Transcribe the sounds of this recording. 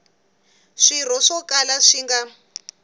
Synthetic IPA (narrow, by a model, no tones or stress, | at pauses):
ʂiɾ̤ɔʂɔkalaʂiŋɡa